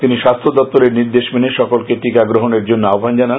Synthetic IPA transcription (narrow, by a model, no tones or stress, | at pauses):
t̪iniʃast̪ʰod̪ɔp̚t̪ːoleɾniɾd̪eʃmeneʃɔkolkeʈikaɡɾoɦoneɾd͡ʑonːoaobʱand͡ʑanan